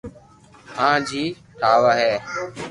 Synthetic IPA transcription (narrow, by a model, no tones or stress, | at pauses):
ãːd͡ʒʱiː | ʈʰaːʋaːɦɛː